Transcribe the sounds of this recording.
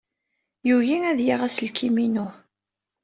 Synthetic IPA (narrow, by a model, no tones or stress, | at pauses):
juʝiæðjiʁæsəlkʰiminu